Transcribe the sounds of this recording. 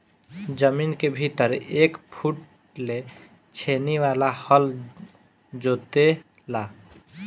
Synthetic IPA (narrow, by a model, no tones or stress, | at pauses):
d͡ʒəminkebʱit̪əɾekpʰuʈ | le | t͡ʃʰeniwalahʌl | d͡ʒot̪e | la